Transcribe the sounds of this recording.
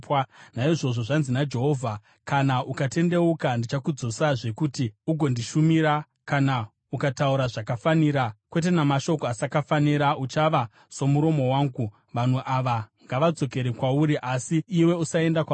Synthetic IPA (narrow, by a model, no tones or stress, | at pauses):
panaiʐo̞ʐo̞ʐanzinad͡ʒe̞ɦo̞ːvʱa | kanaʔukate̞nde̞ukandit͡ʃakud͡zo̞saʐe̞kutiuɡʱo̞ndiʃumiɾa | kana | ukatauɾaʐakafaniːɾakwe̞t̬e̞namaʃo̞koasakafaniɾaut͡ʃaʋa | so̞muɾo̞mo̞waːŋɡu | ʋan̤uʔaʋaŋɡaʋad͡zo̞ke̞ɾekwauɾiʔasiːwe̞usae̞ndaka